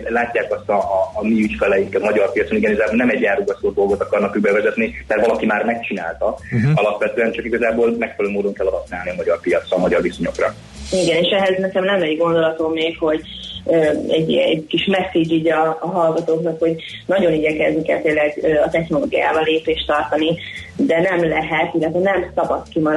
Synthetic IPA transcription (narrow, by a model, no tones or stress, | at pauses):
laːcːaːkɒst̪ɒːmiyt͡ʃkɛlɛjiŋkɛmɒɟɒrpijɒt̪soiɡɛniɡɒzaːboːlnɛmɛɟːaːruɡɒsoːd̪o̞lɡo̞t̪ɒkɒrnɒkyɡ̚bɛvɛzɛt̪nimɛrt̪ʋɒlɒkimaːrmɛkt͡ʃina̰ːlt̪ɒɒlɒpʋɛt̪øːɛnt͡ʃɒkiɡɒzaːbolmɛkfɛløːmoːd̪o̞ŋkɛlːɒd̪ɒsnaːlniɒmɒɟɒrpijɒt̪sɒmɒɟɒrviso̞ɲo̞krɒ | iɡɛneːʃɛɦɛznɛkɛmnɛmɛɟɡo̞nd̪o̞lɒt̪o̞mːeːkho̞ɟ | øːɛɟːḭɛ̰kiʃmɛsːid͡ʒiːɟɒːɦɒlɡɒt̪oːknɒkho̞ɟ | nɒɟo̞niɟɛkɛznikɛ̰lt̪eːlːɛɡøːɒt̪ɛxno̞lo̰ːɡija̰ːvɒlːeːpeːʃt̪ɒrt̪ɒni | d̪ɛnɛmlɛɦɛt̪ilːɛt̪ʋɛnɛmsɒbɒt̪kimɒɾ